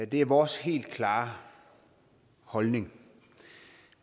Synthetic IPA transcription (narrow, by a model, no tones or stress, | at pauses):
d̥e̝æɐʋɒːshe̝̰ːld̥kʰlɑ̈ː | hɒ̽lne̝ŋ